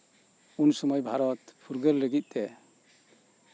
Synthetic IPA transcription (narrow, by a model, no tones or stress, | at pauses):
unsɔmɔjbʱaɾɔt̪pʰuɾɡəɾləɡit̪̚ˀt̪ɛ